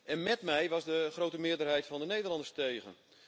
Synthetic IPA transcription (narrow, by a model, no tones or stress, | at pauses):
ɛnmɛtmɛjʋɑsdəχrowtəmɪːədərɦɛjtfɑndənejdəɹlɑndəstejɣə̰n